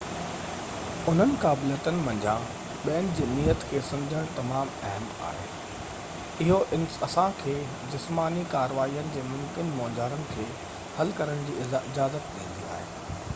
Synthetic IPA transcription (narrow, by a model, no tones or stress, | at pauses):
ʊn̤ənɪ̆kaːbleːt̪ənɪ̆mɐ̃ɲd͡ʑã | ɓiənɪ̆d͡ʑiːniːət̪kʰeːsɐ̃md͡ʑʱəɽ̃t̪ɐmaːmɛɦma̰ːɦḛː | ɪɦoʔɪnɐsãkʰeː | d͡ʑɪsmaːnikaːɾʋaːijənɪ̆d͡ʑeːmʊ̃mkɪnmɔːd͡ʑaːɾənɪ̆kʰeː | hɐlkɐɾəɽ̃d͡ʑiːɪɪd͡ʑaːzət̪ɗḭ̃ːn̆d̪ia̰ːɦḛː